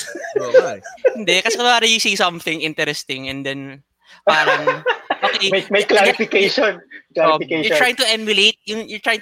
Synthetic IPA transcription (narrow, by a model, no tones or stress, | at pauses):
hɪnd̪ɛkɐsɛkɐpaːɾɐjʊsisɐ̃mθɪ̃ŋʔɪ̃nt̪ɛɾɛst̪ɪ̃ŋɛ̃nd̪ɛn | paɾɐŋʔokejmɐjklaɾɪfɪkejʃɔnklafɪkejjʊt̪ɾɹajɪ̃ŋt̪ʊʔɛmjʊleɪt̪̚jʊŋjʊt̪ɾajɪ̃ŋ